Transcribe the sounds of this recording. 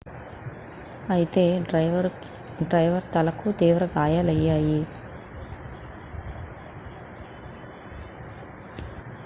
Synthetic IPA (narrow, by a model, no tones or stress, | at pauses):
ɐjt̪e | ɖɾɐjʋɐɾt̪ɐlɐkʰːud̪eːʋɐɾɐɡaːjalɐjaːji